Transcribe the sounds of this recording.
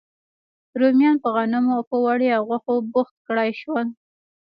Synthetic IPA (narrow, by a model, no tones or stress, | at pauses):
ɾomjɑnpəɣanʊmopəwaɽeawɣaxobʊxt̪̚kɽajʃwəl